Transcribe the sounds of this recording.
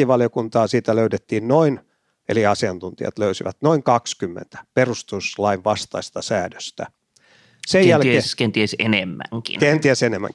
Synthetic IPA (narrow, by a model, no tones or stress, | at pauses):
iʋɑljokunt̪ɑːsiːt̪æløytet̪ːiːnnoin | eliɑsiɑnt̪unt̪iɑ̰t̪løysiʋæ̰t̪noiŋkɑkskymːḛnt̪æ̥perust̪uslɑiʋʋɑst̪ɑist̪ɑsæːdø̥st̪æ̰ | sejjjælkeeskent̪iæsenemːæ̰ŋkḭnkent̪iæsenemːæ̰ŋ